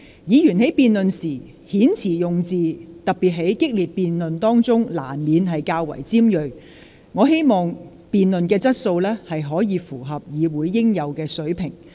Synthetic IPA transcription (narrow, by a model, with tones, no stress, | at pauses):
jiː˨˧jyː˨˩nɦe˨˥jpiː˨nlɵ˨nsiː˨˩ | hiː˨˥nt͡sʰiː˨˩jʊ˨ŋt͡siː˨t̪ɐ˨k̚piː˨t̚ɦe˨˥jkɪ˥k̚liː˨t̚piː˨nlɵ˨nt̪ɔː˥ŋt͡sʊ˥ŋla̰ː˨˩nmiː˨˧nɦɐ˨jkaː˧wɐ̰˨˩jt͡siː˥mjɵ˨˧ɥ | ŋɔː˨˧ɦe˥jmɔː˨ŋ | piː˨nlɵ˨nkɛː˧t͡sɐ˥t̚so˧wlɛː˥hɐ˨jɦɔː˨˥jiː˨˧fuː˨˩ɦɐ˨p̚jiː˨˧wuː˨˥jːɪ˥ŋjɐ˨˧wkɛː˧sɵ˨˥ɥpʰɪ˨˩ŋ